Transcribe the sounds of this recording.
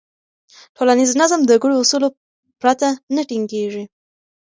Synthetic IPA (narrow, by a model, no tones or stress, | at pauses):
ʈʰolaniznazamd̪əɡuɽoːsulo | pɾat̪anəʈiŋɡeʐi